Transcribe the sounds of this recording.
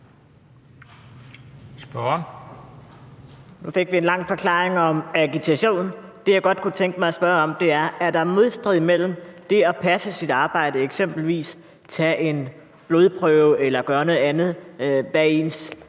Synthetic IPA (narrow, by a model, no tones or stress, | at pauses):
sb̥ɶn | nufe̝ɡ̥ʋie̝nlɑ̈ŋ̰fɒ̽kʰlɑ̰̈ːeŋɒ̽mæɡ̥it͡sʰæɕo̝̰ːnd̥e̝jɑ̈ɪɡ̥ɒ̽d̥̚kʰut͡sʰeŋɡ̥əmɑ̈ɪɒsb̥ɶɐɒ̽md̥e̝æɐæɐd̥ɑ̈ɐmo̝ð̞ˠsd̥ʁiðˠimel̰m̩d̥e̝ɒ̽pʰæsəsid̥ɑ̈ːb̥ɑ̈ɪ̰d̥əeɡ̥sem̰b̥l̩ʋḭːs | t͡sʰɛʔe̝n | b̥lo̝ð̞ˠpʰʁœʊelɐɡ̥ɶːɐnɔð̩ˠænð̞̩ˠb̥ɛ̰ens